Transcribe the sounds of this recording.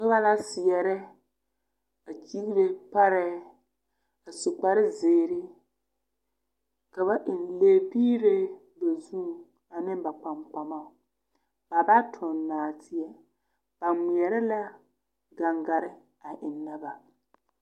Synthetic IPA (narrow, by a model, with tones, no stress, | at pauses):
nʊ˦ba˦la˦sɪ˨jɛ˨ɾɛ˦ | a˨t͡ʃi˦ɣi˦ɾe˨pa˦ɾɛ˦ | a˨sʊ˨k͡pa˨ɾɪ˦zeː˨ɾɪ˦ | ka˨βa˦ʔɪ˨n˨leː˨biː˦ɾe˦ | ba˨zũ˦˨ | a˨nɪ˦m˦ba˨k͡pa˨mk͡pa˨ma˦˨ | b̥a˨ba˦tʰʊ˨nnːaː˨tʰɪ˨ɛ˦ | b̥a˨mi˨ɛ˨ɾɛ˦la˦ | ɡa˨ŋɡa˨ɾɪ˦ | a˨ʔɪ˨nːa˦ba˨